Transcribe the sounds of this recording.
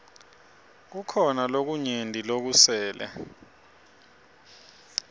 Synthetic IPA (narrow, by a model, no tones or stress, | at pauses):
k̬ukʰɔnalok̬uɲendʱilok̬usɛːlɛ̰